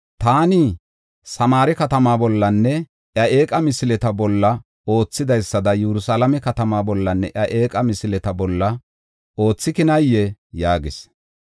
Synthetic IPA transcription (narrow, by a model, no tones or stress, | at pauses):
t̪aːnɪ | sɐmaːɾɛkɐt̪ɐmaːbɔlːɐnːɛ | ʔjɐʔeːkʼɐmɪsɪlɛt̪ɐbɔlːɐ | o̞ːt͡sːɪd̪ɐjsːɐd̪ɐjɛɾʊsaːlɐmɛkɐt̪ɐmaːbɔlːɐnːɛʔɐʔe̞ːkʼɐmɪsɪlɛt̪ɐbɔlːɐ | o̞ːt͡sːɪkɪnɐjːɛjaːɡɪs